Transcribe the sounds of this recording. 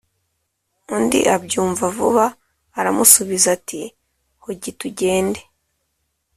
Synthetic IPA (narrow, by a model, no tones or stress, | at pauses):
undḭʔabɟuːɱvavuβaː | ɾamusuβizati | hoɟituɟe̞ːnde